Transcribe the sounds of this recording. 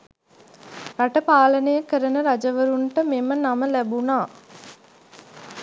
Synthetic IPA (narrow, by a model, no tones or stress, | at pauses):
ɾaʈəpaːlənəjəkəɾənəɾad͡ʒəʋəɾuɳʈəmemənaməlæbunaː